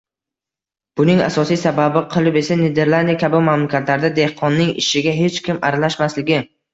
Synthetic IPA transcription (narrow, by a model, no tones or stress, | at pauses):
b̥ʊnɪŋa̰sɒsijsababɪqʰɨlˠɪpe̞saned̪e̞ɾlˠand̪ijakʲʰabɪmamlakʲʰat̪laɾd̪ad̪e̞hqʰɒnːɪŋɪ̰ʃɪɡʲaɦe̞t͡ʃkʲɪmaɾalaʃmaslɪɡʲɪ